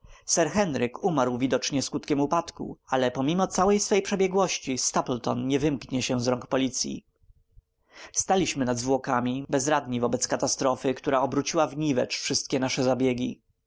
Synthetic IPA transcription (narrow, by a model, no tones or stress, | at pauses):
sɛɾxɛnɾɘkumaɾwvʲid̪ɔt͡ʂɲɛskut̪kʲɛmupat̪kṵalɛpɔmʲimɔt̪sawɛjsfɛjpʂɛbʲjɛɡwɔɕt͡ɕist̪aplt̪ɔnɲɛvɘmkɲɛɕɛzɾɔŋkpɔlʲit̪sʲjḭ | st̪alʲiɕmɘnad̪zvwɔkamʲibɛzɾad̪ɲivɔbɛt̪skat̪ast̪ɾɔfɘkt̪uɾaɔbɾut͡ɕiwavɲivɛ̰t͡ʂfʂɘst̪̚kʲɛnaʂɛzabʲjeɡʲḭ